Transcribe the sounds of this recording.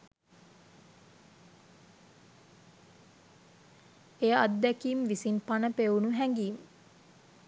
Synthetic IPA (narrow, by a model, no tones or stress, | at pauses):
ejəad̪ːækiːmʋisinpanəpeunuɦæŋɡiːmə